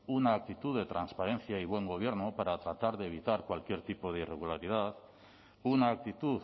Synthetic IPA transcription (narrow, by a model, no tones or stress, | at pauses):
unaːk̚t̪it̪uðe̞t̪ɾanspaɾe̞nθjaiβwe̞ŋɡo̞β̞je̞ɾnupaɾat̪ɾat̪aɾðeβ̞it̪aɾkwalkje̞ɾt̪ipo̞ðeire̞ɣulaɾið̞að | unaːk̚t̪it̪uð